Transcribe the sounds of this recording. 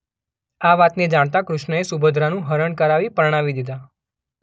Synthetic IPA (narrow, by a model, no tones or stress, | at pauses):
aʋat̪ned͡ʒaɽ̃t̪akɾʊʃɳəesubʱəd̪ʱɾanũɦəɾəɳkəɾaʋipəɾɽ̃aʋid̪id̪a